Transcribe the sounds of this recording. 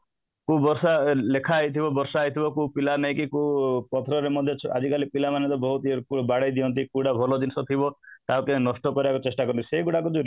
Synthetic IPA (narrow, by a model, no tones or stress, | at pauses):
kubɔɾsalekʰaːjt̪ʰibɔbɔɾsaːjt̪ʰibɔkupilanaj̃kikupɔt̪ʰɔɾɔɾemɔd̪ʱjɔt͡ʃʰa̰d͡ʒikalipilamanet̪ɔbɔɦut̪iɾkubaɽajd̪iɔnt̪ikuɽabʱɔlɔd̪inisɔt̪ʰibɔt̪aɔkenɔsʈɔkɔɾibakut͡ʃesʈakɔɾɔnt̪ʰi̥seiɡuɽakud͡ʒuɾi